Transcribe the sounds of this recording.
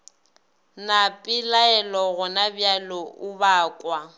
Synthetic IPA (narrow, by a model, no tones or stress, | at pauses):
napʼɪlaɛlɔɣʊnabjalɔʊbaːkʼwa